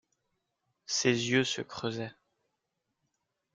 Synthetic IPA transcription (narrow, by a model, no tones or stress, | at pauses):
sezjøsə̰kχøzɛ